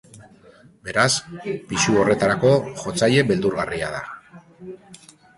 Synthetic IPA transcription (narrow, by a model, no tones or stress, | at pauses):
be̞ɾaspiʃuo̞re̞t̪aɾako̞ʝo̞t͡saje̞be̞ld̪uɾɣaria̰ða̰